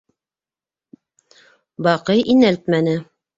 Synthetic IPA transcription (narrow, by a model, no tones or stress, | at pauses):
bɑqɤjʔinælt̪mænɘ